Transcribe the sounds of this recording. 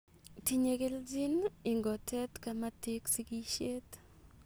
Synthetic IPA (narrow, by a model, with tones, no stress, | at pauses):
ti˨ɲe˨ke˦ld͡ʒi˦ni˨ŋɡɔ˨tɛ˦tka˦ma˦ti˦ksi˦ki˦ʃe˦t